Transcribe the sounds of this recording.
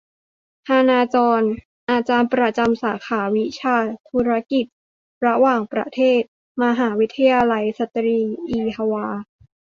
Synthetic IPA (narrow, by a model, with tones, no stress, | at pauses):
ʔʰaː˧naː˧t͡ɕɔː˧n | ʔaː˧t͡ɕaː˧npɾa˧t͡ɕa˧msaː˩˦kʰaː˩˦wi˦˥t͡ɕʰaː˧t̪ʰu˦˥ɾa˦˥ki˨˩t̪̚ | ɾa˧˥waː˨˩ŋpɾa̰˧˥t̪ʰeː˥˩t̪̚ | ma˧ɦaː˩˦wi˦˥t̪ʰːa˧jaː˧la˧jsa˧˦t̪ɾiː˧ʔiː˧ha˧waː˧